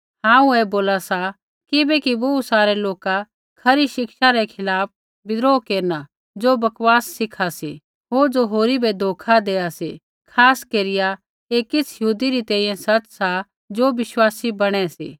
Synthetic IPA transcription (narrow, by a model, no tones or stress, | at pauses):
ɦãːũɛboːlasa | kɪbɛkiʋousaːɾɛloːka | kʰɐɾiʃɪkʃaɾɛkʰɪlaːp̚ʰ | bɪd̪ɾoːkeːɾna | d͡ʒoːbɐkʋaːsːɪkʰasḭ | ɦoːɾd͡ʒoɦoːɾibɛd̪ʱoːkʰad̪eːaseː | kʰaːskeːɾɪja | kekɪt͡sʰjɐɦuːd̪iɾit̪ɛ̃ːĩjɛ̃sɐt͡ʃsa | d͡ʒoːʋɪʃwaːsibɐɽ̃ɛsḭː